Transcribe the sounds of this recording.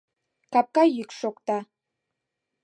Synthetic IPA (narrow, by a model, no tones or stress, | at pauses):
kap̚kajikʃokt̪a